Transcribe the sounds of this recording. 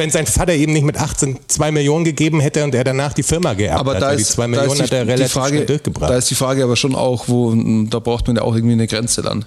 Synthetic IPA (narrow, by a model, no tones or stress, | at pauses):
vɛnzaɪnfatɐʔeːbm̩nɪçtmɪtʔaχt͡sent͡sv̥aɪmɪljoːnənɡəɡeːbm̩ɦɛtəʊnteːɐɾanaːχd̥iːfɪɐmaɡəʔɛ̰ɐʔaːbɐadaːsiːt͡sv̥aɪmɪlaoːnnhatːɐʁelatfaːɡəɛdʊɐçɡ̥əbʁa̰d̥aːɪstd̥iːfʁ̥aːɡəaːbɐʃoːna̰ʊxvoːd̥aːbʁaʊxtmanja̰ːaʊxɪɐɡŋ̩tv̥iːnəɡʁɛnt͡səda̰n